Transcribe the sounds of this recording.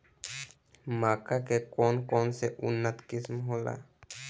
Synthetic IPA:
makakekonkonseʔṵnat̪kismɦola̰

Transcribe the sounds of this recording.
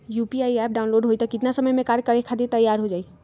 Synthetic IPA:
juːpiaːiɛːp̚ɖaːʊnloːɖɦoːit̪ɐkɪt̪nasɐməjmẽkaːɾkɐɾekʰad̪et̪ɐjːaːɾɦod͡ʒaːi

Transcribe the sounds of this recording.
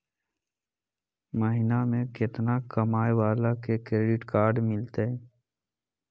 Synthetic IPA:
məɦɪnamẽkɪt̪nakəmaːewaːlakekɾeːɖɪʈkaːɾɖmɪlt̪eɛ

